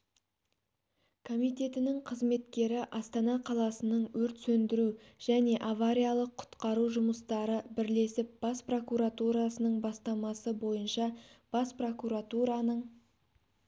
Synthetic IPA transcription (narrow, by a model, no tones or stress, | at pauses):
kʰo̞mijt̪e̞t̪ɪnɪŋqʰəzme̞t̪kʲe̞ɾɪʔɑst̪ɑnɑqʰɑlˠɑsənəɴwɵɾt̪sɵnd̪ɪɾuʒ̥æne̞ʔavaɾʲijalˠəqʰːʊ̥t̪qɑɾuʒʊməst̪ɑɾəbɪɾle̞sɪp̚b̥ɑspro̞kuɾat̪uɾasənəɴbɑst̪ɑmɑsəbo̞jənʃɑb̥ɑspro̞kuɾat̪uɾɑnəɴ